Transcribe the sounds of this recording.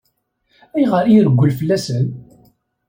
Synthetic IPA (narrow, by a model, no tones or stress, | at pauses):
æjʁəɾiɾəɡʷːəlfəlːæsən